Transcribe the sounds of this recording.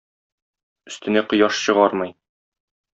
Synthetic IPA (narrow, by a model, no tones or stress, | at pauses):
ɵ̆st̪ɘ̆næqŏjɑʃɕɤ̆ʁɑɾmɤj